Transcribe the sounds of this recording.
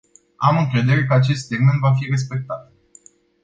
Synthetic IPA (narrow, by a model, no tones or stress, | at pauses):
amɨŋkɾe̞d̪e̞ɾe̞kəat͡ʃe̞st̪seɡme̞nt̪vafire̞s̬pe̞k̚t̪at̪̚